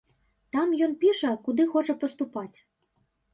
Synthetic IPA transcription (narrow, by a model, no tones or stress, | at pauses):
t̪amjɔnpʲiʂɐkud̪ɨxɔt͡ʂɐpɐst̪upat͡sʲ